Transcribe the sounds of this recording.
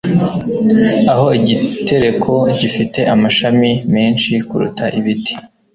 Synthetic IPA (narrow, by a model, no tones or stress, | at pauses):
aɦo̞iɟite̞ɾe̞kʰo̞ɟifite̞ʔamaʃamime̞ːnʃikuɾṵtʰaʔiβiti̥